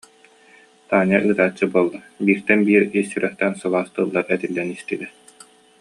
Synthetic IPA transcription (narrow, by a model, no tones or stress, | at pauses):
t̪aːnaʔɯːt̪aːt͡ɕːɯbuɔlˠːa | biːɾt̪ɛnbiːɾisyɾœχt̪ɛnsɯlˠaːst̪ɯlˠːaɾɛt̪ilːɛnist̪ilɛ